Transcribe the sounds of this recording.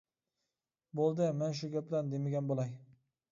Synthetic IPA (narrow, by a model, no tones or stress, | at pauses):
bolˠd̪ɪmanʃ̬ʊɡʲaplaɾnd̪emaɡʲanbolˠaj